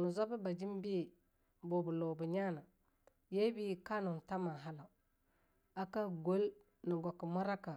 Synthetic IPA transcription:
nu˨za˦bi˦ba˨d͡ʒi˦m˦bi˦˨ | bo˨bu˨lo˨bu˨ɲa˦na˨ | je˦bi˦ka˦nu˨n˨ta˦ma˨ɦa˦la˨ | a˦ka˦ɡo˦l | ni˨ɡʷa˨ki˨ma˦ɾa˦ka˨

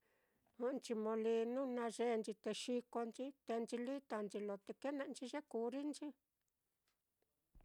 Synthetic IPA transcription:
ũ˧˦˧nt͡ʃi˧mõ˧li˧nũ˦nã˧ʒe˧nt͡ʃi˧t̪e˧ʃi˧ko˧nt͡ʃi˦t̪e˧nt͡ʃi˧li˦t̪a˧nt͡ʃi˧lo˨t̪e˧ke˦nã˧ʔnt͡ʃi˧ʒe˦ku˧˦ɾi˦nt͡ʃi˦

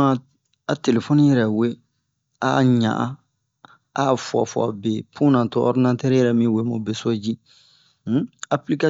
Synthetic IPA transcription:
ã˨ | a˨te˨le˨fo˦nĩ˦jɛ˨ɾɛ˨we˦ | a˨ɲã̰˨ʔã˦ | afa̰˨fa̰˨be˨pũ˦nã˨to˦ʔɔ̰˦ɾdi˦nã˦tɛ˦ɾjɛɾɛ˦mĩ˦we˨mo˨be˦so˦d͡ʒi˦ | a˦pli˦ka˦

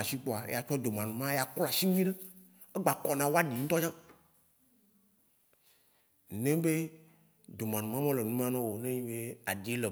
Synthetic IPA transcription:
a˨si˦k͡po˦a˨ḛ˦ja˨t͡ʃɔ˦d̪o˨mã˨nũ˨mã˦ja˨kla˨si˦ŋ˦ĩ˦nɛ̃˦ | e˦ɡ͡ba˨kɔ˨nã˨wo˦a˦ɖi˨ŋ̩̃˦t̪ɔ˦d͡ʒã˦˨ | nẽ˦be˦ | d̪o˨mã˨nũ˨mã˦mẽ˦le˨nũ˦m˦ã˦nɔ̃˦wo˨nẽ˦ɲĩ˦be˦a˨di˨˦le˨

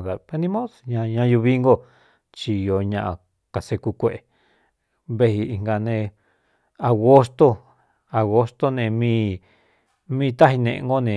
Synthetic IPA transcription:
ða˨pe˧nĩ˧mõ˦sɲã˧ɲã˧ju˧βi˦ŋɡo˦˧ | t͡ʃi˧jo˧ɲã˧ʔã̰˧ | ka˨se˧ku˧kʷe˦ʔe˨ | βe˧hi˧i˧ŋɡa˧nẽ˧ | a˨ɣo˦st̪o˦ | a˨ɣo˧st̪o˦nẽ˧mĩ˦˧ | mĩ˦˧t̪a˦ɦi˧nḛ̃˧˨ʔḛ̃˧ŋɡo˦nẽ˨

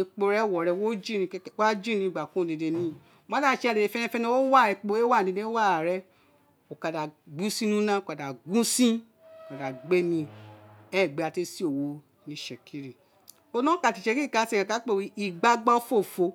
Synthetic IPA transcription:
i˧k͡po˧ɾɛ˦˨wɔ˨ɾɛ˧wo˦d͡ʒi˦˨nĩ˧˦wa˦d͡ʒi˦nĩ˧i˨ɡ͡ba˨kõ˨˦˨de˨˧de˧nĩ˦˨ | mã˦ã˦ʃɛ˧˦a˧de˨e˧fɛ˦nɛ̃˦˧fɛ˦nĩ˦wo˦wa˦˨ɛ˧k͡po˧e˦wa˦˨de˧de˦wa˦˨ɾɛ˦ | o˨ka˨da˨ɡũ˦sĩ˦nũ˦nã˦o˨ka˨da˨ɡũ˦sĩ˦ | o˨ka˨da˨ɡ͡be˦nĩ˧ɛ˦˨ɡ͡be˨˧a˧te˧si˦o˨wo˧˦ | nĩ˧˦ʃɛ˨kʰi˦ɾi˨ | o˧lɔ̃˦ka˧˨ti˨ʃɛ˧ki˦˨ka˧˦sɛ˦˨kã˨ka˨˦k͡pe˦˨wi˨˦i˨ɡ͡ba˧ɡ͡ba˦fo˦˨fo˧

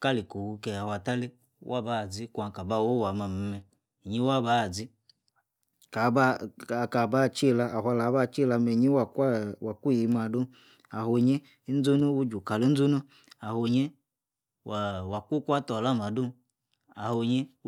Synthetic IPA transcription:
ka˦li˨ko˨wu˧ke˨a˨hwa˨ta˦le˦ | wʔa˦ba˦˨d͡zi˦kʷa˨ka˨ba˧˨wo˦wa˨ma˨m̩˨mɛ˨ | ɲi˦wa˦ba˦˨d͡zi˦ | ka˨ba˦˨ka˨ba˦˨t͡ʃi˦˨la˧ʔa˨ha˧la˨˦ba˦˨t͡ʃi˦la˧me˨ɲi˦wa˨kwa˨ku˦ji˨˧ma˨du˦ | a˨ho˨ɲe˦ | n̩˦d͡zo˦no˦wu˦d͡ʒu˨ka˨lo˦n̩˦d͡zu˦nu˦ | a˨ho˧ɲe˦ | a˨wa˨ku˦kʷa˦tɔ˨la˦ma˨du˦ | a˨ho˧˨ɲe˦

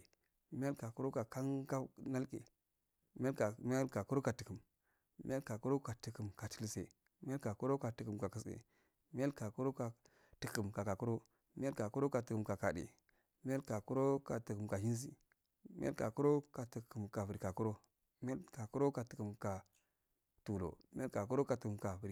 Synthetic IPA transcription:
mi˦ja˦ka˨ku˦ɾo˦ka˨ka˦ŋka˦na˦lkḛ˨ | mi˦a˦ka˨mi˦a˦lka˨ku˦ɾo˦ka˨ti˨kə˨m˦ | mḭ˦ja˦ka˨ku˦ɾo˦ka˨ti˨ki˨mka˨ti˨li˨sḛ˨ | mi˦ja˦lka˨ku˦ɾo˦ka˨tu˨kə˨mka˨kə˨sḛ˨ | mi˦a˦lka˨ku˦ɾo˦ka˨ | ti˨kə˨mka˨ka˨ku˦ɾo˦ | mi˦a˦lka˨ku˦ɾo˦ka˨tɨ˨kə˨mka˨ka˨dḛ˨ | mi˦a˦lka˨ku˦ɾo˦ka˨ti˨ku˨mka˨hi˦n˦s̬ḭ˨ | mḭ˦a̰˦lka˨ku˦ɾo˦ka˨ti˨ku˨mka˨vi˨ɾi˨ka˨ku˦ɾo˦ | mi˦a˦lka˨ku˦ɾo˦ka˨ti̥˨ku˨mka˨ | tu˨lo̰˨mi˦a˦ka˨ku˦ɾo˦ka˨ti˨kɨ˨mka˨vu˨ɾi˨

